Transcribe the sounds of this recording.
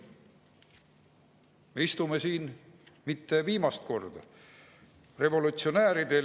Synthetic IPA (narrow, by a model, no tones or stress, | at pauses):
me̞ist̪ume̞siːnmit̪ːe̞viːmɑst̪̚ko̞rd̪̥ɑ̰ | re̞vo̞lut̪sio̞næːɾid̪̥e̞